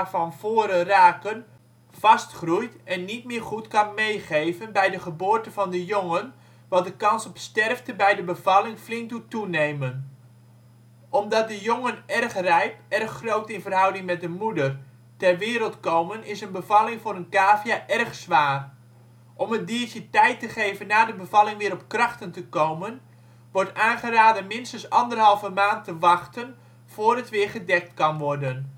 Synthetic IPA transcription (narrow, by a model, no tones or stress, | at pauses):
vɑnv̥oːɾəraːkən | v̥ɑstχrujtɛnːitmɪːrχutkɑnmejχejvənbɛjdəχəboːrtəvɑndəjoŋən | ʋɑdəkɑnsɔpstɛrftəbɛjdəbəv̥ɑlɪŋflɪŋk̚dutunejmən | ʔɔmdɑt̚dəjoŋənɛrχrɛjpɛrχːrowtɪnvərɦʌwdɪŋmɛt̚dəmudər | tɛrʋɪːɾəlˠtkowmənɪsənbəvɑlɪŋvʊːɾənkaːvjaʔɛrχsʋaːr | ʔɔməndiəɹtətɛjtəχejvənːaːdəbəvɑlɪŋʋɪːɾɔp̚krɑχtəntəkowmən | ʋɔɹtaːnχəraːdənmɪnstəsɑndərɦɑlˠvəmaːntəʋɑχtən | v̥ʊːrətʋɪːɹχədɛk̚tkɑnʋɔrdən